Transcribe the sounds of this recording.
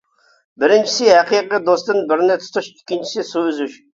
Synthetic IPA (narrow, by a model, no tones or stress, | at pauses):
bɪɾɪnt͡ʃʰi̥sɪhɛqʰiqid̪ost̪ɨnbɪɾnɪt̪ʰʊ̥t̪ʰuʃikʲːint͡ʃʰi̥sɪsuyzyʃ